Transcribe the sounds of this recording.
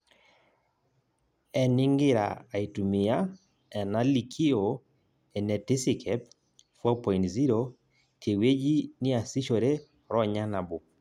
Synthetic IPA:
ɛ˨nɪ˦ŋɡɪ˦ɾa̰ː˨i˨tu˨mɪ˨ja˦ | ɛ˨na˦li˨kʰi˦o˨ | ɛ˨nɛ˨ti˦si˨kʰɛp̚ | fɔ˦pɔ˨intzi˦ɾo˨ | tʰe˨we˦d͡ʒi˦ni˦a˨si˦ʃo˨ɾe˦ | ɾɔ˦ɲa˦na˨bʊ˨

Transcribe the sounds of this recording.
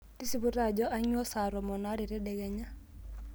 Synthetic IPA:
ti˦si˦bu˦ɾa˨d͡ʒɔ˦ʔa˦ɲwɔ˦sa˨ɾɔ˨mɔ˨na˦ɾi˨ɾɛ˦dɛ˨ɡɛ˦ɲa˦

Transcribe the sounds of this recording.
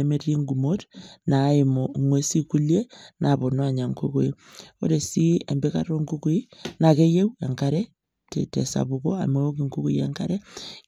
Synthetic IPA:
emeti˦ŋɡumotna˨imoŋwe˦si˦ku˦lje˦na˨βo˨nwa˦ɲa˨ŋku˦ko˦i | o̰˦ɾe˨si˦e˨mbe˦ka̰˦ɾo˦ŋku˦ku˦i˦na˨ke˦je˦ua˨ŋka˦ɾe˦ | tḛ˨tḛsa̰˨βuko˦a̰˨me˦o˦ki˨ŋku˦ku˦ja˨ŋka˦ɾe

